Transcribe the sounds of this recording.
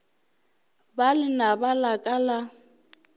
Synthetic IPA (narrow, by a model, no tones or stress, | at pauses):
balɪnabalakʼala